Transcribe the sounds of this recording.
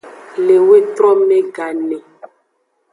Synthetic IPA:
le˨we˦t̪ɾɔ˦mẽ˦ɡa˨nɛ˨

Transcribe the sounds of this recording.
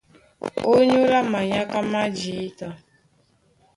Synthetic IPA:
o˦ɲu˦la˦ma˨ɲa˦ka˦ma˦d͡ʒi˨i˦ta˦

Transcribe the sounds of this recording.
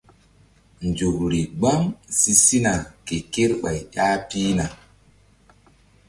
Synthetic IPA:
nd͡ʒo˨bɾi˨ɡ͡bɔ˦ŋsi˦si˦na˨ke˨ke˦ɾɓa˨jja˦piː˦na˨

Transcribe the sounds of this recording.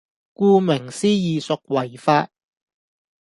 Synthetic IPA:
kuː˧mɪ˨˩ŋsiː˥jiː˨sʊ˨k̚wɐ˨˩jfaː˧t̚

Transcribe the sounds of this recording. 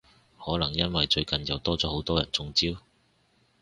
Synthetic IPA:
hɔː˨˥lɐ˨˩ŋjɐ˥nwɐ˨jt͡ʃɵ˧ɥkɐ˨njɐ˨wt̪ɔː˥t͡sɔː˨˥ho˨˥wt̪ɔː˥jɐ̰˨˩nt͡sʊ˧ŋt͡siː˥w

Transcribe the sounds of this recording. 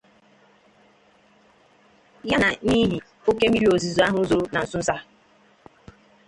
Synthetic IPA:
ja˦na˨ni˦ɦi˨ | o˦ke˦mi˦ɾi˦o˨zi˨zo˨˦a˦ɦʊ˦zo˨ɾʊ˦na˨n̩˨sʊ˦n̩˦sa˦

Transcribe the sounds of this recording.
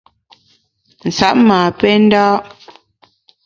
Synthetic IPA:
n̩˨sa˨˦ʔ̚maː˨pɛ˦n̩˦dɔː˦

